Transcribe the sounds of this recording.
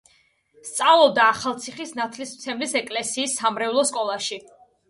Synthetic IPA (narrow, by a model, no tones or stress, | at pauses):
st̪sʼavlˠɔb̚d̪aːχalˠt̪sʰiχisnat̪ʰlismt̪sʰɛmlisɛkʼlɛsiːsːamɾɛlˠɔskʼɔlˠaʃi